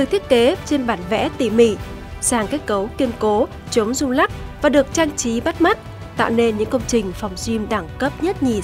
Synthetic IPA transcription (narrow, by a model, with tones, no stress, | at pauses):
t̪ɨ˨˩t̪ʰi˦˥ət̚ke˨˦t͡ɕe˧nɓaː˧˩nvɛ̰˧˥t̪i˧˩mḭ˧˩˨ | saː˨˩ŋke˦˥t̚kə˨˦wki˧ənko˨˦ | t͡ɕə˨˦wŋ͡mzʊ˧ŋ͡mla˦˥k̚vaː˨˩ɗɨ˨˩ək̚t͡ɕaː˧ŋt͡ɕi˨˦ɓa˦˥t̚ma˦˥t̚ | t̪a̰ː˧˨wne˧nɲɨ̰˧˥ŋkə˧wŋ͡mt͡ɕï˨˩ŋ̟fɔ˨˩wŋ͡mzwi˧mɗa˧˩ŋkə˦˥p̚ɲə˦˥t̚ɲi˨˩